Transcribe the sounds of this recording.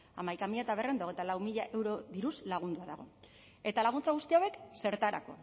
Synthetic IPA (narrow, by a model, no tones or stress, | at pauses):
amajkamiʎat̪aβerend̪ao̞ɣ̞ejt̪alawmiʎaʔe̞wɾo̞ðiɾuslaɣ̞und̪uaðaɣ̞o̞ | e̞t̪alaɣ̞unt͡saɣust̪iawe̞kse̞ɾt̪aɾa̰ko̞̰